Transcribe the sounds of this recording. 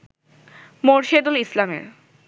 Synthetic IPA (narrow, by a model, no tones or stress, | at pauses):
moɾʃed̪olislamḛɾ